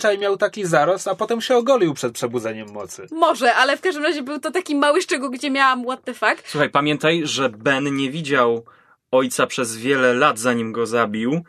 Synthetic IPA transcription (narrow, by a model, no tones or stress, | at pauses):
t͡ʂajmʲjawt̪akʲizaɾɔst̪apɔt̪ɛmɕɛɔɡɔlʲiwpʂɛt̪̚pʂɛbud̪zɛɲɛmːɔt̪sɘmɔʐɛʔalɛfkaʐd̪ɘmɾaʑɛbɘwt̪ɔt̪akʲimawɘʂt͡ʂɛɡulɡd͡ʑɛmʲjawamwad̪nɛfakt̪swuxajpamʲjɛnt̪ajʐɛbɛnɲɛvʲid͡ʑaw | ɔjt̪sapʂɛzvʲjɛlɛlad̪zaɲimɡɔzabʲiw